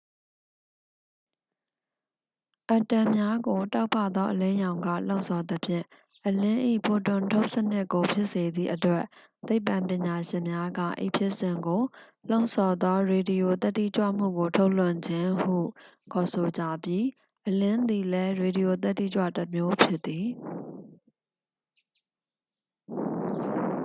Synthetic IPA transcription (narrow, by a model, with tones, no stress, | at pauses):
ʔa˨tã˨mja˦ɡo˨ta˦ʊpʰːä̰˦˨d̪ɔ˦ʔəlɪ̃˦jã˨ʊ̃ŋɡä̰˦˨lõ̰˦ʊʔnsʰɔ˨d̪əpʰjɪ̰̃˦˨ | ʔəlɪ̃˦ʔḭ˦˨pʰo˨tʊ̃˨ntʰo˦ʊʔsənɪ˦ʔko˨pʰjɪ˦ʔse˨d̪ðḭ˦˨ʔətwɛ˦ʔ | t̪e˦ɪpã˨mpjɪ̃˨ɲa˨ʃɪ̃˨mja˦ɡä̰˦˨ʔḭ˦˨pʰjɪ˦ʔsɪ̃˨ŋɡo˨ | lõ˦ʊ̃sʰɔ˨d̪ɔ˦ɹe˨di˨jo˨t̪ɛ˦tːḭ˦˨t͡ɕwä̰˦˨m̥ṵ˦˨ɡo˨tʰo˦ʊʔlʊ̃˦˨ɲd͡ʑɪ̃˦hṵ˦˨kʰɔ˨so˨d͡ʑä̰˦˨bji˦ | ʔəlɪ̃˦nd̪i˨lɛ˦ɹe˨di˨jo˨t̪̬ɛ˦tːḭ˦˨t͡ɕwa̰˦˨təmjo˦pʰjɪ˦t̪ːi˨